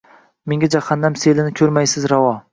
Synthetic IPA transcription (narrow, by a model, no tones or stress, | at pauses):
meŋɡʲad͡ʒaχanːamselɪnɪkʲʰɵɾmajsɪzɾawɒ